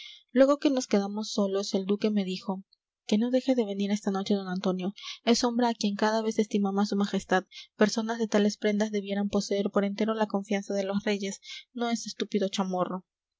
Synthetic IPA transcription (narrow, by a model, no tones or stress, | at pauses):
lwe̞ɣo̞ke̞no̞ske̞ðamo̞sːo̞lo̞se̞ld̪uke̞me̞ðixo̞ | ke̞no̞ðe̞xe̞ðe̞βe̞niɾe̞st̪ano̞t͡ʃe̞ðo̞nant̪o̞njo̞e̞so̞mbɾeakje̞ŋkaðaβe̞se̞st̪imaβasumaxe̞st̪aðpe̞ɾso̞nazðe̞t̪ale̞spɾe̞nd̪azðe̞βje̞ɾampo̞seeɾpo̞ɾe̞nt̪e̞ɾo̞lako̞ɱfjansaðe̞lo̞sre̞ʝe̞sno̞e̞sest̪upiðo̞t͡ʃamo̞ro̞